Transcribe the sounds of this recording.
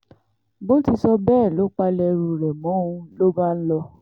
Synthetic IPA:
bo˦ti˧sɔ˧bɛː˦˨lo˨˦k͡pa˧lɛ˧ɾu˧ɾɛ˨mɔ̃˨˦ũ˧lo˦ba˦˨n̩˦lɔ˧

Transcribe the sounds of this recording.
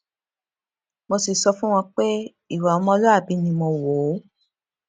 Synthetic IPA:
mõ˧si˨sɔ˧fũ˦w̃ɔ̃˧k͡pe˦ | i˦˨wa˨ɔ˨˧mɔ̃˧˦˧lo˦a˦˨bi˨˦nĩ˧mɔ̃˧wo˨˦

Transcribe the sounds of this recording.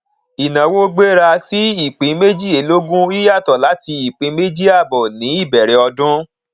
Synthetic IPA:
i˨nã˨wo˦ɡ͡be˦ɾa˧si˦i˦˨k͡pĩ˨˦me˦d͡ʒi˦˨e˨lo˦ɡũ˦i˦ja˦˨tɔ˨la˨˦ti˧i˨k͡pĩ˨˦me˦d͡ʒi˦a˦˨bɔ˨nĩ˨˦i˦˨bɛ˨ɾɛ˨˦ɔ˧dũ˦

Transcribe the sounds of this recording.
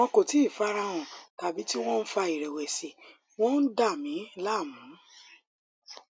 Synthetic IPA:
ɔ̃˧ko˨ti˨˦˨fa˦ɾa˧w̃ɔ̃˨ta˨bi˨˦ti˦w̃ɔ̃˦n̩˦fa˧i˨ɾɛ˨wɛ˨si˨ | w̃ɔ̃˦n̩˦da˦˨mĩ˨˦la˦˨mũ˨˦

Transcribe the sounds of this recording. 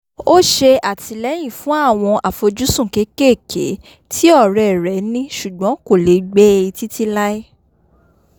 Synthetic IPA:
o˦ʃe˧a˦˨tʰi˧lɛ˦j̃ĩ˦˨fũ˨˦a˦˨w̃ɔ̃˧ʔa˨fo˧d͡ʒu˦sũ˦˨ke˨˦ke˦˨kḛ˨˦ | tʰi˦ɔ˦˨ɾɛ˨ɾɛ˨˦nĩ˦ʃu˨ɡ͡bɔ̃˨˦ko˦˨le˨˦ɡ͡bɛ˦i˧ti˦ti˦la˦i˦

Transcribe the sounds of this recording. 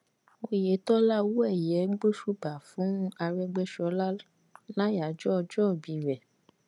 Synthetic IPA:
o˧je˨˦tɔ˦la˦wu˦ɛ˦˨jɛ˨˦ɡ͡bo˦ʃu˦ba˨fũ˨˦a˧ɾɛ˧ɡ͡bɛ˦ʃɔ˧˦la˦ | la˦ja˨d͡ʒɔ˦ɔ˧d͡ʒɔ˦˨bi˧˨ɾɛ˨

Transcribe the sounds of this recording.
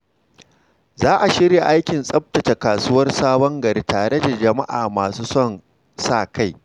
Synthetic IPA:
zaː˦ʔa˨ʃɪ˦ɾje˨ʔa˦jkʲɪ˨nsʼɐ˦p̚tɐ˨t͡ʃe˨kaː˨su˦wɐ˦rsaː˦bɔ˦ŋɡɐ˨ɾi˦taː˨ɽe˦da˨d͡ʒɐ˨ma˦ʔaː˨maː˨suː˦sɔ˦˨n | saː˦˨ka˦˨j

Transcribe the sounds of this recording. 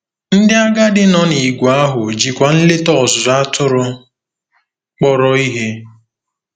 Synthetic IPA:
n̩˦dɪ˦a˦ɡa˦dɪ˦nɔ˦ni˨ɡʷa˦ɦʊ˨d͡ʒi˨kʷa˨n̩˦le˦tɔ˨za˦tʊ˦ɾʊ˦ | k͡pɔ˦ɾɔ˦i˦ɦe˦

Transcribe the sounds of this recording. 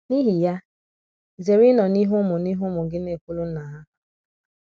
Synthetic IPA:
ni˦ɦi˨ja˦ | ze˨ɾi˦nɔ˨ni˦ɦʊ˦mʊ˨ni˦ɦʊ˦mʊ˨ɡɪ˦ne˨kʷu˦lu˦na˨ɦa˦

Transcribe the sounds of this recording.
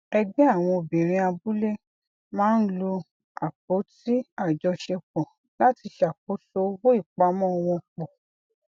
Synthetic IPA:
ɛ˧ɡ͡bɛ̃˦a˦˨w̃ɔ̃˧o˧˨bĩ˨ɾ̃ĩ˧a˧bu˦le˦ | mãː˦n̩˦lo˧ | a˨k͡p̚o˨˦ti˦a˦˨d͡ʒɔ˧ʃe˧k͡pɔ˨ | la˨˦ti˧ʃa˨k͡p̚o˨˦to˦wo˦i˦˨k͡pa˨˦mɔ̃˦˧w̃ɔ̃˧k͡pɔ˨

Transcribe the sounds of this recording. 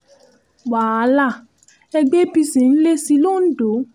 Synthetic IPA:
waː˨a˨˦la˦˨ | ɛ˧ɡ͡be˦pi˧si˨n̩˦le˦si˧lo˦˨n̩˦do˨˦

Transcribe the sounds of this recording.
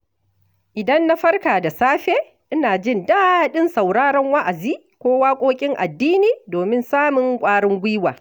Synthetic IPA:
ʔɪ˨dɐ˦nːa˦ɸɐ˦rkaː˨da˨saː˦ɸeː˦ | ʔɪ˦naː˨d͡ʒɪ˦ndaː˦˨ɗɪ˦nsɐ˨wɽaː˦ɽɐ˦ŋwɐ˦ʔa˨ziː˦ | kʷoː˦waː˦kʷʼoː˦kʲʼɪ˦ŋʔa̰˨dːiː˦niː˨doː˨mɪ˦nsaː˦mɪ˨ŋkʷʼaː˦ɽɪ˦ŋɡʷiː˦waː˨

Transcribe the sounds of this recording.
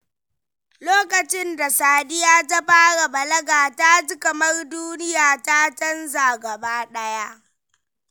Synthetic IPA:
loː˦kɐ˨t͡ʃɪ˦nda˨saː˨dɪ˦jaː˦ta˦ɸaː˦ɽa˨bɐ˨lɐ˦ɡaː˨ta˦d͡ʒɪ˦kɐ˨mɐ˦rduː˦nɪ˦jaː˨ta˦t͡ʃɐ˦nzaː˨ɡɐ˨baː˦ɗɐ˦ja˦ʔ

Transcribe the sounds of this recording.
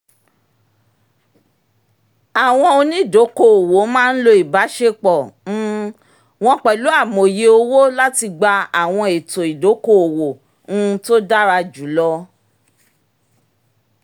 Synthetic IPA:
a˨w̃ɔ̃˧o˧nĩ˦i˦˨do˨˦ko˦˨o˨wo˨˦mãː˦˧n̩˦lo˧i˨ba˨˦ʃe˦k͡pɔ˨˦ | w̃ɔ̃˧k͡pɛ˨lu˨˦a˦˨mo˨je˧o˧wo˦la˦ti˧ɡ͡ba˧a˨w̃ɔ̃˧e˨to˨i˨do˨˦ko˦o˨wõ˨˦˧ | to˦da˦ɾa˧d͡ʒu˨˦lɔ˧

